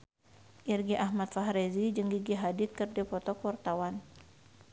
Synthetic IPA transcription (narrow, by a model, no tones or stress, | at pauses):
ʔirɡiʔahmat̪̚faɦɾɛzid͡ʒəŋɡiɡiɦadit̪̚kərdɛpɔt̪ɔkwart̪awan